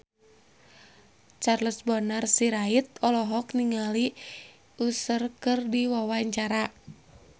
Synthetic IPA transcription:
t͡ʃarləsbɔnarsiɾait̪̚ɔlɔɦɔkniŋali | usərkɨrdiwawaɲt͡ʃaɾa

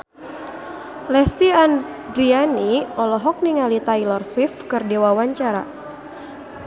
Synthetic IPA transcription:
lɛst̪iandɾianiɔlɔɦɔk̚niŋalit̪ajlɔrswifkɨrdewawaɲt͡ʃaɾa̰

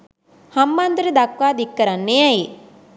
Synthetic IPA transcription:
hɐmːɐnd̪ɾid̪ɐkwaːd̪ikːɐɾɐnːejɐji

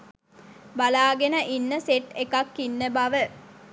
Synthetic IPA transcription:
balaːɡenəʔinːəseʈekakːinːəbaʋə

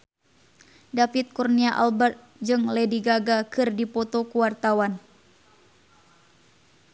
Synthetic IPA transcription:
dafit̪̚kurniaʔa̰lbɛrt̪̚d͡ʒɨŋlɛdiɡaɡakɨrdipɔt̪okuwart̪awan

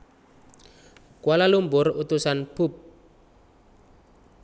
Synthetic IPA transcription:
kwalalumburut̪usanpʰup̚

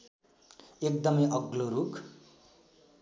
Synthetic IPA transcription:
ek̚d̪ʌmʌjʌɡloɾukʰ

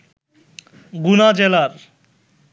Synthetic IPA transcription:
ɡunad͡ʑɛlaɾ

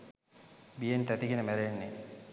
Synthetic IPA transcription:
bijent̪æt̪iɡenəmæɾenːe

